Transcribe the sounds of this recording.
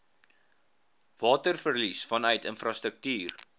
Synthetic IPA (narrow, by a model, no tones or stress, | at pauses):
vɑːtərfərlisfɐnœɥtənfrɑːstɾək̚tiːr